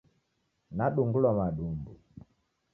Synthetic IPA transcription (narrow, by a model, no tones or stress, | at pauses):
naɗuŋɡulwamaɗumbu